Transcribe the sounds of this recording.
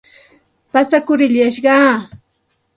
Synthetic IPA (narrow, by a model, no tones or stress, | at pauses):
pasakʊɾɪʎaʃɢɑː